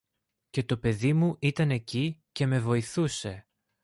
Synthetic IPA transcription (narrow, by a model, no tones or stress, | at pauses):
ce̞t̪o̞pe̞ðimuʔit̪ɐne̞cice̞me̞vo̞iθuse̞